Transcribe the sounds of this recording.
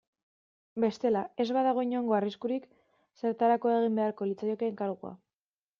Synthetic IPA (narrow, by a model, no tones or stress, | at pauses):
be̞st̪e̞lae̞zβaðaɣ̞o̞iɲo̞ŋɡo̞ariskuɾik | se̞ɾt̪aɾako̞e̞ɣ̞imbe̞aɾko̞lit͡sajokeŋkaɾɣua̰